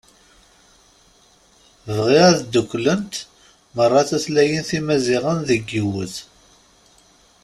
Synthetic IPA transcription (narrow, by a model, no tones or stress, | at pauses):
vʁiʁæðd̪əkʷːlənt̪ | mərˤːɑθæθlæjənθimæziʁənðəɡːiwəθ